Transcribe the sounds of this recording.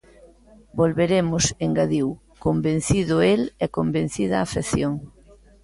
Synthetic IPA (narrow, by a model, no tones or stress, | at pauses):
bolβeɾemʊseŋɡaðiw | kombẽn̟θiðʊelɛkombẽn̟θiðɐaːfeθjoŋ